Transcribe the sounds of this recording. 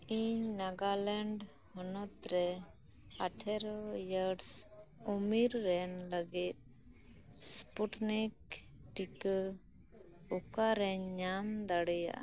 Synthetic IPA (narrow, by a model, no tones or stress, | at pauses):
iɲnaɡalɛɳɖ | hɔnɔt̪ɾɛ | aʈʰɛɾjəɾsɔmiɾːɛnləɡit̪̚ | spuʈnik̚ | ʈik | ɔkaɾɛɲɲamd̪aɽɛja̰ʔ